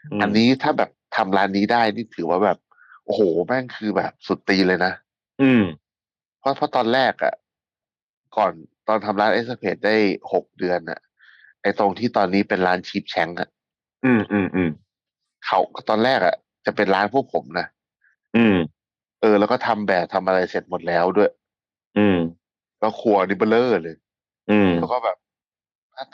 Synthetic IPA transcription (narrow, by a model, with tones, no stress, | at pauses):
ʔa˧nːiː˦˥t̪ʰaː˥˩bɛː˨˩p̚t̪ʰa˧mɾaː˦˥nːiː˦˥daː˥˩jniː˥˩t̪ʰɯː˩˦waː˥˩bɛː˨˩p̚ | ʔoː˧hoː˨˩˦mɛ˦˥˩ŋkʰɯː˧bɛː˨˩p̚su˨˩t̪ːiː˧lɤː˧jna˦˥ʔ | ʔɯː˧˩m | pʰɔ˦˥pʰɔ˦˥˩t̪ɔː˧nɾɛː˥˩k̚ʔa̰˨˩ʔ | kɔː˨˩nt̪ɔː˧nt̪ʰa˧mɾaː˦˥nʔe˦˥s̚a˧pʰeː˨˩t̪̚daː˥˩jho˨˩k̚dɯ˧ənʔa̰˨˩ | ʔa˧jt̪o˧ŋt̪ʰiː˥˩t̪ɔː˧nːiː˦˥pe˧nɾaː˦˥nt͡ɕʰiː˥˩p̚t͡ɕʰɛ˦˥ŋʔa̰˨˩ʔ | ʔɯː˧˩mʔɯː˧˩mʔɯː˧m | kʰa˥˩wt̪ɔː˧nɾɛː˥˩k̚a̰˨˩ | t͡ɕa˨˩pe˧nɾaː˦˥npʰu˥˩ək̚pʰo˩˦mna˦˥ | ʔɯː˧˩ | ʔɤː˧lɛː˦˥wkɔː˥˩t̪ʰa˧mbɛː˨˩p̚t̪ʰa˧mʔa˧ɾa˧jse˨˩t̪̚mo˨˩t̪̚lɛː˦˥wdu˥˩əj | ʔɯː˧m | kɔː˥˩kʰuː˧˩ɐ˧ni˦˥ba˧˩lɤː˥˩lɤː˧j | ʔɯː˩˧˩llɛ˦˥wkɔː˥˩bɛː˨˩p̚ | t̪ʰaː˥˩